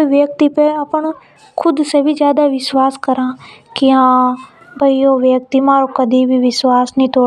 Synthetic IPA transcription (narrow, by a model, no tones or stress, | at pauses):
iʋjək̚t̪ipeəpəɳ | kʰʊd̪sebʱid͡ʒjaːd̪aʋɪswaːskəɾãːkɪãː | bʱəioːʋjək̚t̪imãːɾoːkəd̪ʱibʱiːʋɪswaːsnĩːt̪oː